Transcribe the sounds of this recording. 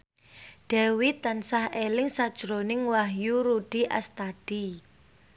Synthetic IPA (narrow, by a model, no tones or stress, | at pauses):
ɖ̥ɛwit̪ansahelɪŋsad̥ʒ̥ɾonɪŋwaɦjuɾuɖ̥iʔa̰st̪ad̥i